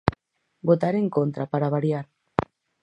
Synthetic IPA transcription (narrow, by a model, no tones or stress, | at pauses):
bot̪aɾeŋkont̪ɾapaɾaβaɾiaɾ